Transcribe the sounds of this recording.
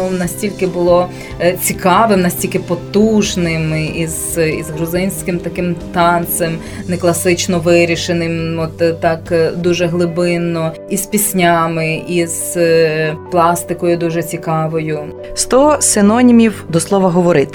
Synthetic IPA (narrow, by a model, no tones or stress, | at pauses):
nɐsʲtʲilʲkɪbʊlˠɔ | t͡sʲikɑʋɪmnɐsʲtʲilʲkɪpɔt̪uʒnɪmizḭzɦɾʊzɪnʲsʲkɪmt̪ɐkɪmt̪ɑnt̪sɛm | neklˠɐsɪt͡ʃnɔʋɪɾʲiʃenɪmɔt̪t̪ːɑkd̪uʒɛɦlˠɪbɪnːɔ | ispʲisʲnʲamɪʔiz̥ | plˠɑst̪ɪkɔjʊd̪uʒɛt͡sʲikɑʋɔjʊ | st̪ɔsɪnɔnʲimʲiwd̪ɔslˠɔʋɐɦɔʋɔɾɪt̪